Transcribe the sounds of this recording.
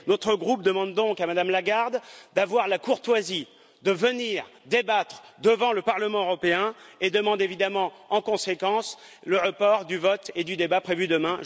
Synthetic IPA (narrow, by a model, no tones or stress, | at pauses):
nɔt̪χəɡʁup̚d̪əmɑ̃d̪ːɔ̃kamad̪amlaɡaʁd̪d̪avwaʁlakuʁt̪wazi | d̪əvəniʁd̪ebat̪χd̪əvɑ̃ləpaʁləmɑ̃øʁɔpeɛ̃ed̪əmɑ̃d̪evid̪amɑ̃ɑ̃kɔ̃sekɑ̃s | ləʁəpɔʁd̪yvɔt̪ed̪yd̪ebapχevyd̪əmɛ̃